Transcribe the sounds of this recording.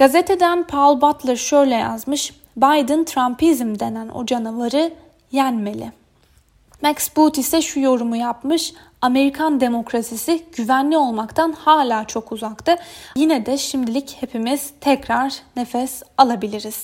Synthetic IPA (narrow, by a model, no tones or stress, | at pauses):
ɡ̥azet̪ʰe̞d̪ænpʰalˠbat̪lˠɛɾʃø̞jlʲɛja̰zmɯʃ | bajd̪ɯnt̪ʰɾampizmd̪e̞næno̞̰d͡ʒanavaɾɯ | jænme̞lʲɪ̰ | mɛksbut̪isɛʃujo̞ɾumujapmɯʃ | ame̞ɾikʰand̪e̞mo̞kɾasisiɟ̥yvænlʲio̞lˠmakt̪ʰanhaːlʲaːt͡ʃʰo̞kuzakt̪ɯjinɛd̪ɛʃimd̪ilʲiche̞pʰimiz̥t̪ʰɛcɾaɾne̞fɛsalˠabilʲiɾiz̥